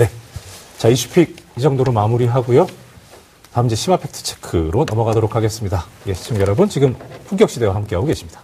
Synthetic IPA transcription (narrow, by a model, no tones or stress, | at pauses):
ne̞t͡ɕaiɕʰu̥pʰik̚id͡ʑʌŋdoɾomamuɾiɦaɡujo | taɯmd͡ʑiɕʰimapʰe̞k̚tʰɯ̥t͡ɕʰe̥kʰɯɾonʌmʌɡadoɾokʰaɡe̞s͈ɯmɲidajeɕʰi̥t͡ɕʰʌŋjʌɾʌbɯnt͡ɕiɡɯmpʰuŋk͈jʌkɕ͈ide̞wahamk͈eaoɡe̞ɕʰimɲid̥ḁ